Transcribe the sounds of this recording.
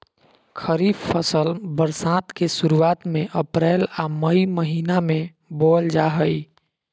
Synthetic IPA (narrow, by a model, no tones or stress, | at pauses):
kʰəɾifʰəsəlbəɾsaːt̪kesuɾuaːt̪mẽʔəpɾɛːlaməiməɦiːnamẽ | boːld͡ʒaɦəi